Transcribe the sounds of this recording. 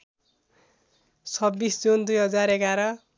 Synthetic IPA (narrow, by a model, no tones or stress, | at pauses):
sʰʌbːisd͡zund̪ujɦʌd͡zaɾekaɾʌ